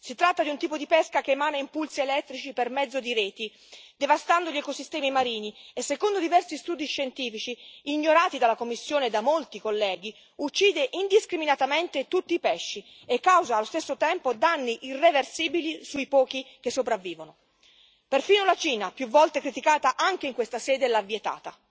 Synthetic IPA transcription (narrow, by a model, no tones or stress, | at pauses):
sit̪ɾat̪ːad̪iunt̪iːpod̪ipɛskakeːmaːneimpulsielɛt̪ːɾit͡ʃipermɛd̪zːod̪iɾeːt̪i | d̪evast̪and̪oʎɛkosist̪ɛːmimaɾiːniesːekond̪od̪ivɛrsist̪uːd̪iʃːent̪iːfit͡ʃiːɲːoɾaːt̪id̪alakomːisːjoːned̪amolt̪ikolːɛːɡ̟i | ut͡ʃːiːd̪eʔind̪iskɾiminat̪ament̪et̪ut̪ːiːpɛʃːi | ekːawzaːlːost̪esːot̪ɛmpod̪anːiʔirːeversiːbilisuipɔːk̟ik̟esːopɾavːiːvono | perfiːnolat͡ʃiːnapjuvːɔlt̪ekɾit̪ikaːt̪aʔaŋk̟eiŋkwest̪asɛːd̪elavːjet̪a̰ːt̪a